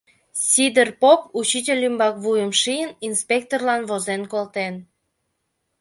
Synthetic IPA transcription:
sʲid̪erpoput͡ɕitʲelʲymbɑkβujəmʃijəninspʲek̚t̪orlɑnβozenkolt̪en

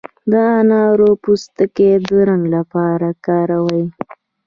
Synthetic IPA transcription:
d̪əɑnɑɾopust̪əked̪əɾaŋɡlapɑɾakɑɾawəj

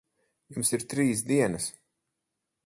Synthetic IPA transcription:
jumsiɾt̪ɾiːsd̪iɛnɐs

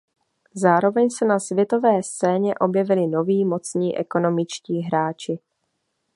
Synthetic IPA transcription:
zaːɾo̞vɛɲsɛnasvjɛt̪o̞vɛːst͡sɛːɲɛʔo̞bjɛvɪlɪno̞viːmo̞t͡sɲiːʔɛ̰ko̞no̞mɪt͡ʃciːɦɾaːt͡ʃɪ

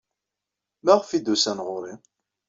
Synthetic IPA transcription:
mæʁfid̪usænʁʊɾˤi

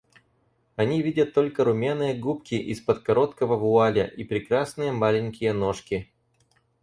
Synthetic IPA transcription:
ɐnʲivʲidʲət̪ːo̞lʲkəɾʊmʲanɨjəɡupkʲɪʔispət̪kɐɾo̞t̪kəvəvʊalʲəʔipɾʲɪkɾasnɨjəmalʲɪnʲkʲɪjəno̞ʂkʲɪ

